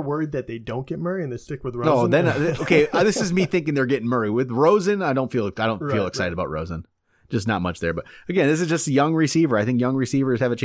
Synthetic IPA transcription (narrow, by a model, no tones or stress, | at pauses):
wɜ˞id̪̚ðɨt̪̚ðeɪdõʊ̃nɡ̥ɛt̚mɜ˞iɨ̃nðeɪstɪkwɨðɹooʊðɨ̃noʊkʰeɪðɪsɨzmiθɪ̃ŋkɪ̃ŋðə˞ɡɛɾɪ̃ŋmɜ˞iwɪðɹoʊzɨ̃naɪɾõʊ̃tfilˠaɪdõʊ̃ntfilˠəksaɪɾɨɾəbaʊt̚ɹo̰ʊzɨ̃n | d̥ʒ̥ʌsnə̰t̚mʌ̰t͡ʃðə˞bʌɾ̚ɨɡɛ̃nðɪs̬ɨzd͡ʒʌstɨjʌ̃ŋɹɨsivə˞aɪθɪ̃ŋkjʌ̃ŋɹɨsivə˞z̥ɨvɨt͡ʃʰẽ